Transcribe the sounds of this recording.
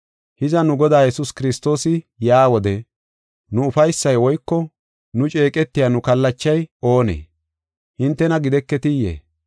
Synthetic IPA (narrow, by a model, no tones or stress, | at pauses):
hɪzɐnʊɡɔd̪aːjɛsʊskɪɾɪst̪o̞ːsɪ | jaːwɔd̪ɛ | nʊʊfɐjsːɐjwɔjkːɔ | nʊt͡ʃʼe̞ːkʼɛt̪ːɪjaːnʊkɐlːɐt͡ʃːɐjo̞ːnḛː | hɪnt̪ːɛnɐɡɪd̪ɛkːɛt̪ɪjḛː